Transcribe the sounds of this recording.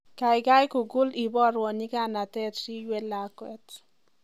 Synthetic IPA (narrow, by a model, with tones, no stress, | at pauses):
ka˨jka˦jkʊ˨ɡʊ˦li˨bɔ˦ɾwɔ˨ɲɪ˦ka˦na˨tɛ˦tʃi˦jwɛ˦la˨kwɛ˦t